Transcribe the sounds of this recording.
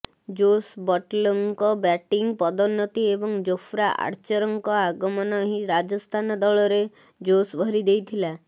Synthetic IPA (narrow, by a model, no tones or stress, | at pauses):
d͡ʒosbɔʈlɔŋkɔbɛʈiŋpɔd̪ɔnːɔt̪iebɔŋd͡ʒofʰɾaʔa̰ɾt͡ʃɔɾɔŋkɔaɡɔmɔnɔɦiɾad͡ʒɔst̪ʰanɔd̪ɔɭɔɾe | d͡ʒosbʱɔɾid̪ejt̪ʰila